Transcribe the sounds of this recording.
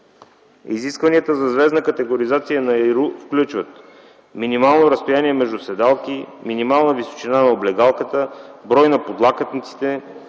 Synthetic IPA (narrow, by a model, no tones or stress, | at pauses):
ḭziskvɐniət̪əzɐzvɛznəkət̪ɛɡoɾizat̪sijənɐɾufklʲut͡ʃvət̪ | minimalˠnoɾəst̪ojaniɛmɛʒd̪usɛd̪alˠkiminimalˠnəviso̥t͡ʃinanɐoblɛɡalˠkət̪əbɾɔjnɐpod̪lˠakət̪nit̪si̥t̪ɛ